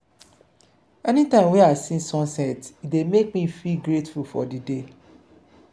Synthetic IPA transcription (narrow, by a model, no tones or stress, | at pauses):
ɛnitãɪ̃mwiasĩnsɔ̃nsɛtidemek̚mifilɡɾetfulfɔ̰dide